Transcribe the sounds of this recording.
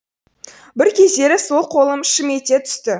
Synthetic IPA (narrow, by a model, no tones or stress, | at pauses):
bɪɾkʲʰe̞zd̪e̞ɾɪso̞lˠqʰo̞lˠəmʃɪme̞t̪e̞t̪ʰʏ̥st̪ɪ